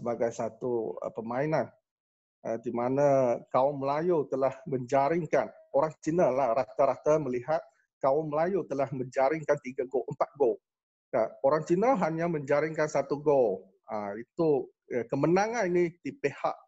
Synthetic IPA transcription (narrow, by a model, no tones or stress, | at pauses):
səbaɡajsat̪uə̰pəmainan | ʔə̰dimanakawɔmməlajut̪əlahməɲd͡ʒaɾɪŋkan | oɾaŋt͡ʃinəllːaɾat̪aɾat̪aməliɦat̪̚ | kawɔnməlajut̪əlahməɲd͡ʒaɾɪŋkant̪iɡaɡoʔəmpat̪̚ɡo | kaoɾaŋt͡ʃinəlɦaɲaməɲd͡ʒaɾɪŋkansat̪uɡo | əit̪u | kəmənaŋaninidipeha̰ʔ